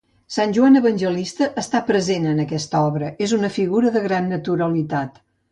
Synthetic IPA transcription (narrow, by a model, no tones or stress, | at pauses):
sanʲʒuanəβənʲʒəlist̪əʔəst̪apɾəzenənəkɛst̪ɔβɾəʔezunəfiɣuɾəðəɣɾanːət̪uɾəlit̪at̪